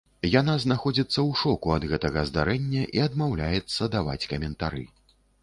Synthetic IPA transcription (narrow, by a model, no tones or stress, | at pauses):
janaznaxɔd͡zʲit̪sːɐwʂɔkuɐd̪ɣɛt̪ɐɣɐzd̪aɾɛnʲːɐʔiɐd̪mawlʲajɛt̪sːɐd̪ava̰t͡sʲkɐmʲɛnt̪aɾɨ̰